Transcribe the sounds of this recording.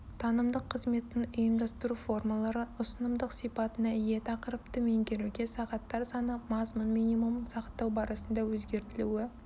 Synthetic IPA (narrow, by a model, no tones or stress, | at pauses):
t̪ʰɑnəmd̪əqʰːəzme̞t̪ːɪŋʊjəmd̪ɑst̪əɾufo̞rmɑlˠɑɾəʊsənəmd̪əqsijpɑt̪ənɑɪje̞t̪ʰɑqəɾəp̚t̪əme̞ŋɡʲe̞ɾuɡʲesɑʁɑt̪ːɑɾsɑnəmɑzmʊnmijnijmumsɑqə̥t̪ːɑwbɑɾʔɑsənd̪ɑwɵzɡʲe̞ɾt̪ɪluwɪ